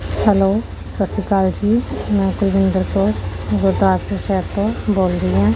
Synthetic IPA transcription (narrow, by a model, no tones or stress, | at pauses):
hɛloː | səsikaːld͡ʒiːmɛ̃ːkʊlʋɪ̃nd̪əɾkoɡʊɾd̪aːspɾəʃɛːɾt̪õːboːlɾiːɦɛ̃ː